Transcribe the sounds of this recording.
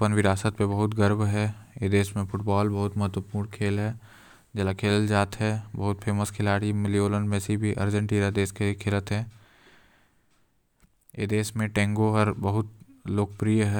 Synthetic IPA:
pənʋɪɾaːsət̪̚pebɐɦʊt̪ɡəɾbʱɦɛːeːd̪eːsmẽpʊʈbaːlbɐɦʊt̪mɐɦət̪ʋəpuːɾɳkʰeːlɦɛː | d͡ʒɛlakʰeːld͡ʒaːt̪ɦɛbəɦʊt̪pʰeːməskʰɪlaːɽimɪlioːləɳɖmẽːsibʱiʔɐ̰ɾd͡ʒə̃ɳʈiːnad̪eːskekʰɪlət̪ɦɛː | ḛːd̪eːsmẽʈɛ̃ːŋɡoɦəɾbəɦʊt̪loːk̚pɾijəɦɛ

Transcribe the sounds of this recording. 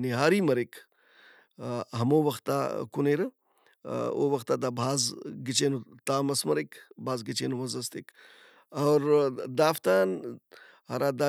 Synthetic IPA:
niɦaːɾiːmɐɾik | ɦɐmoːʋɐxt̪ːa̰kuneɾɨ | o̰ːʋɐxt̪aːd̪aːbʱaːzɡit͡ʃeːnut̪aːmɐsmɐɾekbaːzɡit͡ʃeːnuʋɐzɐst̪ek | ɐwɾd̪aːft̪aːn | hɐ̰ɾaːd̪a

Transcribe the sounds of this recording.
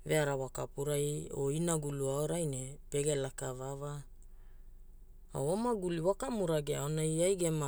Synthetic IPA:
veaɾawakapuɾajo̰inaɡuluaoɾajnepe̞ɡe̞lakavava | a̰womaɡuliwakamuɾaɡeaonajajɡema

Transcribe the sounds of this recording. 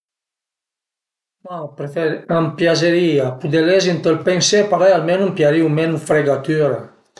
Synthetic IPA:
mapɾeeɾampjazeɾiapud̪elezint̪əlpensepaɾajalmɛnampjaɾiumɛnufɾeɡat̪yɾa

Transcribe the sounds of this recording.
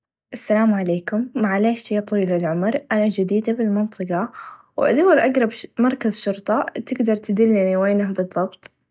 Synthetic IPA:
ʔasːalaːmʕaleːkʊmːaʕaleːʃijt̪ˤiːlɪlʕʊmɾʔanad͡ʒɪd̪iːd̪abɪlmɨnt̪ˤɨqɑ | wʔa̰d̪awːɾʔɑɡɾˤɑbmɑɾˤkazʃʊɾt̪ˤɑt̪ɪɡd̪ɑɾˤt̪ɪd̪ɪlːɪniweːnabɨðˤːɑbt̪ˤ

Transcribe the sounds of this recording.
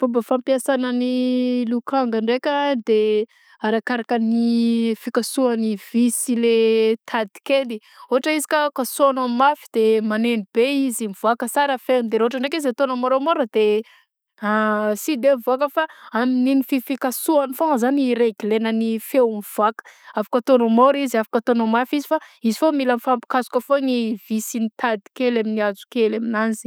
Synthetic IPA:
b̥obəfampiasanənilukaŋɡaɳɖ͡ʐekʲad̪e | aɾakaɾakənifikasuanivisilet̪ʰad̪i̥keni | oɦaʈ͡ʂəizi̥kʲakasoanammafid̪̥emanenib̥eizimivuakəsaɾəfenid̪eɾeɦoʈ͡ʂaɳɖ͡ʐekizat̪onəmaɾomoɾəd̪e | asid̪emivakəfaamininififikasuanifoŋzaniɾeɡilenənifewmiv̥akə̥afḁkət̪onomoɾiziafḁkət̪onomafizifaizifomilanfampi̥kazu̥kəfonivisinit̪ad̪i̥kelaminiazu̥kelaminanzi̥

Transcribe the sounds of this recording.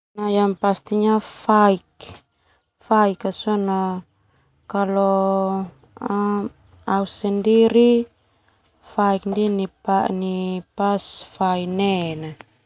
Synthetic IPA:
najampast̪iɲafaik | faikasɔna | kalɔ | ausɛndiɾi | faik̚ndinipaʔnipasfainɛna

